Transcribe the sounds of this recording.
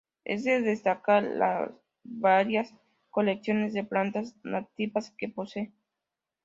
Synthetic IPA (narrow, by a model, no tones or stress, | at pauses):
ḛzd̪eðest̪akaɾla̰s | βaɾjas | ko̞leksjo̞nezðeplant̪aznat̪iβaske̞po̞se